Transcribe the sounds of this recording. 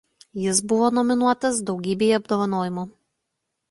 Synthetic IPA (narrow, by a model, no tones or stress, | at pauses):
jɪs̬bʊʋoːnɔmʲɪnuɔt̪ɐsd̪ɒʊɡʲiːbʲeːjɐbd̪oːʋɐnoːjʲɪmuː